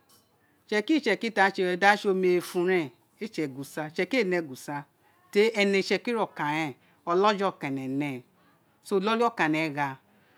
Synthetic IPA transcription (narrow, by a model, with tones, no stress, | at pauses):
t͡ʃɛ˧ki˦t͡ʃɛ˨ki˦ta˧˦t͡ʃe˧da˦ʃo˧me˨fũ˧ɾɛ̃˦˨ | e˦t͡ʃɛ˨ɡu˨sa˧t͡ʃɛ˧ke˦˨nɛ˧˨ɡu˨sa˧ | te˦ɛ˧nɛ˨˧˨t͡ʃɛ˧ki˦ɾɔ˨ka˨jɛ̃˨ | ɔ˧lɔ˦d͡ʒɔ˦˨ka˨nɛ˨nɛ˨ | so˧˨lɔ˦li˦ɔ˦˨ka˨nɛ˨ɣa˧